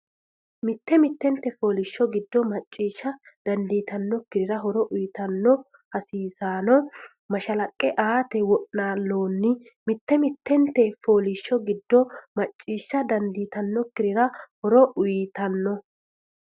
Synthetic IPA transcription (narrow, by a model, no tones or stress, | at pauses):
mɪt̪ːɛmɪt̪ːɛnt̪ːɛfo̞ːlɪʃːɔɡɪd̪ːɔmɐt͡ʃʼːiːʃːɐd̪̥ɐnd̪iːt̪ɐnːɔkːɪɾɪɾɐɦɔɾɔʔʊjt̪ɐnːɔ | hɐsiːsaːnɔ | mɐʃɐlɐkʼːɛʔaːt̪ɛwɔʔnaːlːoːnːɪ | mɪt̪ːɛmɪt̪ʰːɛnt̪ːɛfo̞ːlɪʃːɔɡɪd̪ːɔmɐt͡ʃʼːiːʃːɐd̪ɐnd̪iːt̪ɐnːɔkːɪɾɪɾɐhɔɾɔʔʊjɪt̪ɐnːɔ